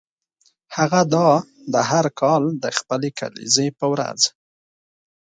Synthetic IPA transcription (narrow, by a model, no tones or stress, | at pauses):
haɣad̪ɑ | d̪əɦaɾkʰɑld̪əxpəleka̰lḭzepəwɾa̰z